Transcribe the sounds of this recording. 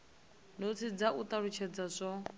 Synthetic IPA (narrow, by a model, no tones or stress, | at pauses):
not͡sʰid͡zaʔut̪aɺut͡ʃʰɛd͡zasʷɔ